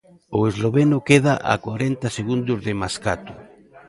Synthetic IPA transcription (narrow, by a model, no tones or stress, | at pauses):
ʊezloβenʊkeð̞aʔa̰kwaɾent̪aseɣund̪ʊzðemaskat̪ʊ̥